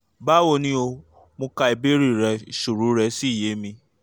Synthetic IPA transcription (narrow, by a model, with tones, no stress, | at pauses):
ba˦wo˧nĩ˦o˧ | mõ˧ka˧i˧be˦ɾi˦˨ɾɛ˧ʃu˨ɾu˨˦ɾɛ˧si˦i˦˨je˨˦mĩ˧